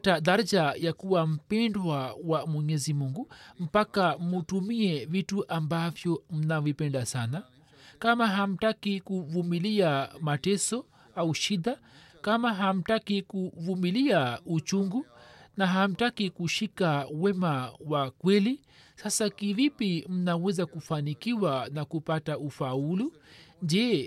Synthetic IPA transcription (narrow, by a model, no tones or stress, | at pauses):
taðaɾd͡ʒajakuwam̩pɛndwawamwɛɲɛzimuŋɡum̩pakamutumiɛvituʔambavjɔm̩navipɛndasana | kamaɦam̩takikuvumiliamatɛsɔ | auʃid̪a | kamaɦam̩takikuvumiliaut͡ʃuŋɡunaɦam̩takikuʃikawɛmawakwɛli | sasakivipim̩nawɛzakufanikiwanakupataufaulu | ɲd͡ʒɛː